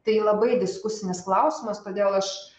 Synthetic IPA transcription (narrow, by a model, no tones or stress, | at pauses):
t̪ɐɪlˠɐbɐɪd̪ʲɪskʊsʲɪnʲɪsklˠɐʊsʲɪmɐst̪oːd̪ʲeːlˠɐʃ